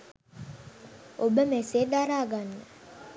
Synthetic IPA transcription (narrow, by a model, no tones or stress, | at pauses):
obəmeseːd̪aɾaːɡanːə